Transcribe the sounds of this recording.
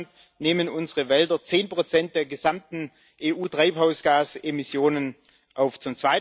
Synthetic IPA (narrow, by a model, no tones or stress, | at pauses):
nt | neːmənʊnzəʁəvɛldɐt͡seːnpʁ̥ot͡sɛnt̚d̥eːɐɡəzamtn̩ | ʔeːʔuːtʁ̥aɪphaʊsɡ̥aːsemɪsjoːnən | ʔaʊft͡sʊmt͡sv̥aɪ